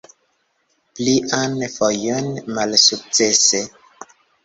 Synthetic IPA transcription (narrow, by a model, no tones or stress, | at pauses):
pliʔanfɔjɔnmalsuk̚t͡sese